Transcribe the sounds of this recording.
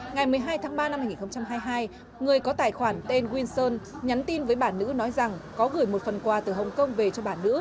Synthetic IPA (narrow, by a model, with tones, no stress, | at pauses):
ŋa˨˩jmɨ˨˩əjɦaː˧jt̪ʰaː˨˦ŋɓaː˧na˧mhaː˧jŋi˨˩xwŋ͡mt͡ɕa˧mɦaː˧jɦaː˧j | ŋɨ˨˩əjkɔ˨˦t̪aː˨˩jxwaː˧˩nt̪e˧nɣwi˧nsəː˧nɲa˨˦nt̪i˧nvəː˨˦jɓaː˧˩nːɨ̰˧˥nɔ˨˦jza˨˩ŋkɔ˨˦ɣɨ˧˩jmo˨˩t̚fə˨˩nkwaː˨˩t̪ɨ˨˩ɦə˨˩wŋ͡mkə˧wŋ͡mve˨˩t͡ɕɔ˧ɓaː˧˩nːɨ̰˧˥